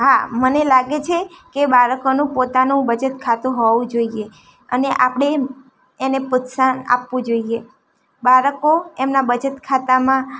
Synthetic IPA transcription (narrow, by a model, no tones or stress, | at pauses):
ɦamənelaɡet͡ʃʰekebaɾəkonũpot̪anũbəd͡ʒət̪kʰat̪ũɦɔʋũd͡ʒoie | ə̰neʔapɽ̃eː | nepʊt̪sana̰pʋũd͡ʒoie | baɾəkoemnabəd͡ʒət̪kʰat̪amã